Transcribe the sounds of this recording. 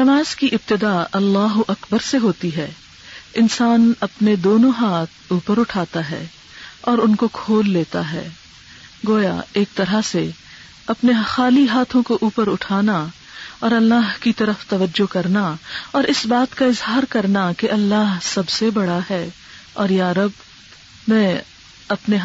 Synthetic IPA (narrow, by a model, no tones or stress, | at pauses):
nɐmaːz̥kiʔɪb̚t̪ɪd̪aːɐlːaːɦʊʔɐkbəɾseɦoːt̪iɦɛː | ɪnsaːnɐpned̪oːnõɦaːt̪ʰuːpəɾʊʈʰaːt̪aɦɛ̰ː | ɔːɾʊnkokʰoːlːeːt̪aɦɛ̰ː | ɡoːja̰eːk̚t̪ɐɾase | ɐpnexaːliɦaːt̪ʰõkoʔuːpəɾʊʈʰaːna | ɔːɾɐlːaːɦkit̪ɐɾəft̪ɐʋəd͡ʒːokɐɾnaɔːɾɪsbaːt̪kaɪzɦaːɾkɐɾnakeʔɐlːaːɦsɐbsebɐɽaɦɛː | ɔːɾjaːɾɐb | mɛ̃ː | ɐpneɦ